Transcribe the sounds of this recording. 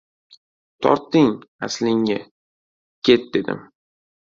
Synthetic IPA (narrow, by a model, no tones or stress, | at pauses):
t̪ʰɒ̰ɾt̪ːɪŋaslɪŋːa | kʲʰe̞t̪̚d̪e̞d̪ɪ̰m